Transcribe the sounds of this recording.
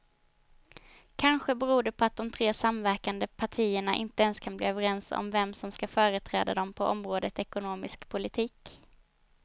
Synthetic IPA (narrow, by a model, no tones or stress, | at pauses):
kʰanɧəbɛɾuːɖ̪ɛpʰɔat̪̚d̪ɔmt̪ʰɾeːsamvæɾkand̪əpʰaʈʰiːəɳaʔɪ̰nt̪əɛnskʰanblḭːœːvəɾɛnsɔ̰mvɛmsɔmskafœːɾət̪ʰɾɛ̰ːd̪a̰d̪ɔmpʰɔʔɔmɾoːd̪ət̪ɛkʊnoːmɪskpʰʊlɪt̪ʰiːk